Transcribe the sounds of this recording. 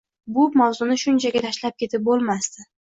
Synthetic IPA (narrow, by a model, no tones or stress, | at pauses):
bʊmawzʊnɪʃʊnt͡ʃʰaɡʲat̪ʰaʃlap̚kʲʰe̞t̪ʰɪp̚bolˠmast̪ɪ